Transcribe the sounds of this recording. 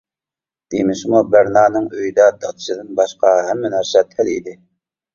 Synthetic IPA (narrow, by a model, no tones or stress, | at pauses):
d̪̥emɪʃmubæɾnɑːnɨŋøjid̪ɛd̪ɑt̪ʰʃɨd̪ɨnbɑʃqɑɦɛmːɛnæɾsɛt̪hælḭd̪ɪ